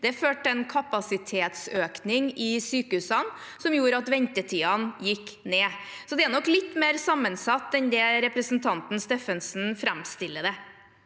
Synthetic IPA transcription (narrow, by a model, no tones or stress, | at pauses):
d̪ɛføːʈɛnkʰɑpɑsɪt̪ʰeːt̪søːknɪŋɪsyːkəʉːsɑn | sɔmjuːɾɑt̪ʋɛnt̪ət̪ʰiːɑnjɪkːneː | sɔd̪ɛænɔklɪt̪ːmeːɾsɑmːənsɑt̪ːɛnd̪ɛɾɛpɾəsn̩t̪ʰɑnt̪n̩st̪eːfənsn̩fɾæmst̪ɪlːəd̪ɛ